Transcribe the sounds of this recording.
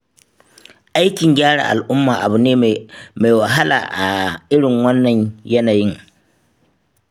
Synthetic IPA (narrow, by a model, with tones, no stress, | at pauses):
ʔa˦jkʲɪ˨ŋɡʲaː˦ɽa̰˨ʔa̰˨lʔʊ˦mːa˨ʔa˨bu˨neː˦ma˨jwa˨ɦa˦lʔa̰ː˨ʔa˨ɪ˦ɽɪ˨ŋwɐ˦nːɐ˨ɲjɐ˦naː˨ji˦ŋ